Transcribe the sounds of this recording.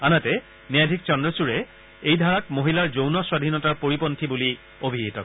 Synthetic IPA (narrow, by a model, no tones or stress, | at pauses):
anatɛ | nijadʱik̚t͡ʃɔndɹɔsuɹɛ | ejdʱaɹatmoɦilaɹzownɔswadʱinɔtaɹpoɹipontʰibuli | obʱiɦitɔk